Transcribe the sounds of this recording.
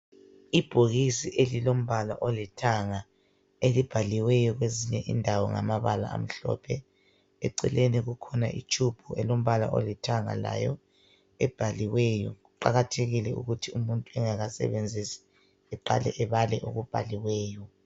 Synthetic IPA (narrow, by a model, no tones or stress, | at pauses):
ib̥ʱoɣisiʔelilom̩βala̰ʔolitʰaŋa | elib̥ʱaliwɛjɔɣweziɲɛʔḭndʱawɔŋa̰maβala̰a̰m̩ɬɔ̰pʰɛ | ɛ̰ǀɛ̰leniɣukʰɔna̰ʔḭt͡ʃʼʰub̥ʰʱɔɛlom̩βala̰ʔo̰litʰaŋa̰la̰jɔ | ɛb̥ʱaliwɛjɔɣuǃaɣatʰeɣilɛṵɣutʰiumuntʼuɛŋaɣasɛ̰βend͡zʱisi̥ | ɛǃa̰lɛ̰ʔɛβalɛʔuɣub̥ʱa̰liwɛːjɔ